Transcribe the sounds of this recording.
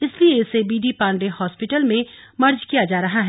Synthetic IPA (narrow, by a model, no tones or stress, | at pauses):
ɪslieɪsebiːɖipãːɳɖehɔːspɪʈəlmẽmɐɾd͡ʒkijad͡ʒaːɾɐɦaɦɛː